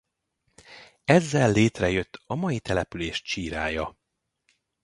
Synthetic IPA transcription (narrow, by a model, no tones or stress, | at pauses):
ɛzːɛlːeːt̪rɛjøt̪ʰːɒmɒjit̪ɛlɛpyleːʃt͡ʃiːɾaːjɒ